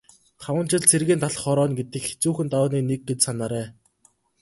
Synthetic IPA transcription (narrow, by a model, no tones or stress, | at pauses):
t̪ʰawə̆nt͡ɕɪ̆ɮt͡sʰerɣeːnt̪ʰaɮ̆χɔɾɔːnɡet̪ɘ̆kxe̥t͡suːxɘ̆nt̪awːniːnek̚ɡet͡ɕsanaːɾæː